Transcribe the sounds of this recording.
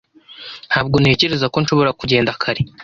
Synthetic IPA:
n̥haːbɡo̞nhe̞ːce̞ɾe̞zako̞nʃo̞βo̞ɾakuɟe̞ːndakʰaɾe

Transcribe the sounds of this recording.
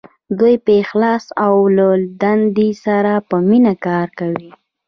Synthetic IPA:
d̪ujpəxlɑsawlad̪and̪isaɾapəminakɑɾkawi

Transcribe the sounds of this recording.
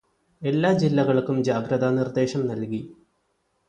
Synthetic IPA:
e̞lːaːd͡ʑilːɐɣɐɭkːumd͡ʑaːɡɾɐðanird̪e̞ːɕɐmnɐlki

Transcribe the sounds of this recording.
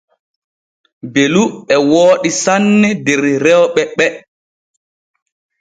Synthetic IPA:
beluɛwoːɗisanːɛdɛɾɾɛwɓɛɓɛ

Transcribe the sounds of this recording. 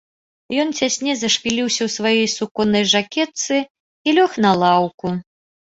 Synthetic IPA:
jɔnt͡sʲasʲnʲɛzɐʂpʲilʲiwsʲɐwsvajɔjsukɔnɐjʐakʲɛt̪sɨ | ilʲɔxnɐlˠawku

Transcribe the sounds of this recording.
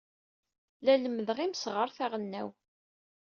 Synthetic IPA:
læləmːəðʁimsʁəɾˤθæʁənːæw

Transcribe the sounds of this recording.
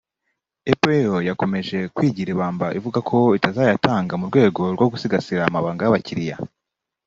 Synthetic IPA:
epeeojako̞me̞ʒe̞kwiːɟiɾeβaːmbaʔivuɡakʰo̞itazaːjatʰaːŋɡamuɾɡwe̞ːɡo̞ɾɡwo̞ɡusiɡasiɾaːmaβaːŋɡajaβaciɾija̰

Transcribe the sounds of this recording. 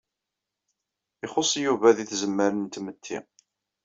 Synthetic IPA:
ɪχosˤːjuvæðiθzəmːəɾənt̪mət̪ʰːḭ

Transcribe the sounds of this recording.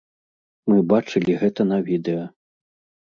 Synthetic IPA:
mɨbat͡ʂɨlʲiɣɛt̪ɐnɐvʲid̪ɛjɐ

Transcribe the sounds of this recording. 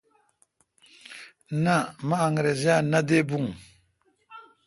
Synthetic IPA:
namaːŋɾezianad̪ebuŋ

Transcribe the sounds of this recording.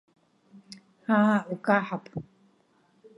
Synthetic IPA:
haaʔukʼaħapʼ

